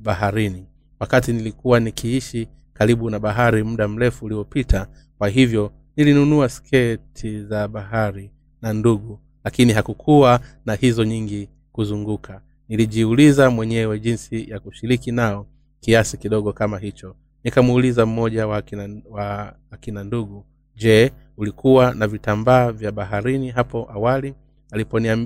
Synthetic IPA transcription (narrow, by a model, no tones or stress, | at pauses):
ɓaɦaɾini | wakatinilikuwanikʰiiʃi | kaɾiɓunaɓaɦaɾim̩ɗam̩ɾɛfuːliɔpitʰa | kwaɦivjɔ | nilinunuaskʰɛtʰizaɓaɦaɾi | nanduɠu | lakiniɦakukʰuanahizɔɲiŋɡi | kuzuŋɡukʰa | niliʄiulizamwɛɲɛwɛʄinsijakuʃiɾikinaɔ | kiasikiɗɔɠɔkamaɦit͡ʃɔ | nikamuːlizam̩mːɔʄawawaː | kinanduɠu | ʄɛ | ulikuwanavitambaːvjaɓaɦaɾiniɦapɔʔawali | alipɔniam